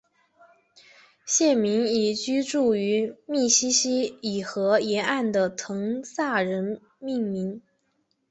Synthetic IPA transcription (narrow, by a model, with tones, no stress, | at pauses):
ɕjɛ˥˩nmi˧˥ŋi˨˩t͡ɕy˥ʈ͡ʂu˥˩y˧˥mi˥˩ɕi˥ɕi˥i˨˩xɤ˧˥jɛ˧˥a˥˩nd̪ə˩t̪ʰɤ˧˥ŋsa˥˩ɻə˧˥n | mi˥˩ŋmi˧˥ŋ